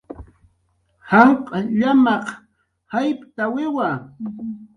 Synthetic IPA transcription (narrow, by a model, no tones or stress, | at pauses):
hamqʼɑʎamɑq | hajpt̪awɪwa